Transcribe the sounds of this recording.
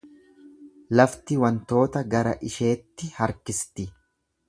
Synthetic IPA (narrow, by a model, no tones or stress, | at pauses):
lɐft̪ɪwɐnt̪o̞ːt̪ɐɡɐɾɐ̰ʔɪʃe̞ːt̪ːɪhɐɾkɪst̪ɪ